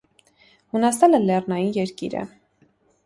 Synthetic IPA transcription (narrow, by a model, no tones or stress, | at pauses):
hunɑsɑlɛlɛrnɑjinjɛɾkḭɾə̰